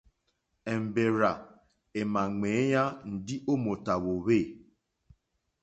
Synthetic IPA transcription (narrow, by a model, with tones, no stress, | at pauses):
ɛ˨m̩˨be˨ɾa˨ | e˨ma˨ŋ͡me˨˦ja˦n̩˨di˦ʔo˦mo˨ta˨βo˨βe˦˨